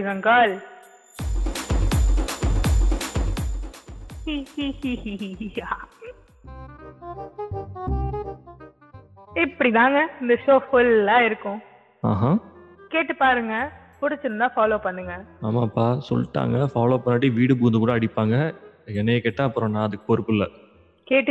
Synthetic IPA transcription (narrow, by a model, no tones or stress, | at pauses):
ʋɐŋɡaːl | hihihiia | ɪpːɐɽit̪aːŋɡɐɪnd̪ɐʃoːfʊlːaːɪɾɯkːʊ̃ | aːɦãkeːʈːɯpaːɾɯŋɡɐ | pʊɽɪt͡ʃːɯɾɯnd̪ãːfaːloːpɐɳːɯŋɡɐaːmaːpːaːsɔ̰lːʈːa̰ːŋɡɐfaːloːpɐnːaːʈːiʋiːɽɯbuːnd̪ɯkuːɽɐːɽɪpːaːŋɡɐɛnɐjekeːʈːãːɐpːɯɾõːnãːɐðɯkːɯ̥pɔɾɯpːɯlːɐ | keːʈːɯ